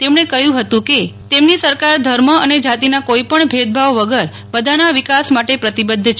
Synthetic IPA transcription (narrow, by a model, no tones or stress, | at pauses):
t̪emɳekəɦjũɦət̪ũke | t̪emnisəɾkaɾd̪ʱəɾməəned͡ʒat̪inakoipəɳbʱed̪̚bʱaʋʋəɡəɾ | bəd̪ʱanaʋikasmaʈepɾət̪ibəd̪ʱːt͡ʃʰ